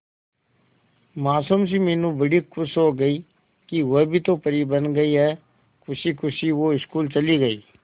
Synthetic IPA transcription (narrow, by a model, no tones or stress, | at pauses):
maːsəms̬ĩːmeːnũːbəɽiːkʰʊsɦoːɡəiː | kiʋəbʱiːt̪õːpəɾiːbənɡəiːɦɛː | kʰʊsiːkʰʊsiːʋoːɪskuːlt͡ʃəliːɡəiː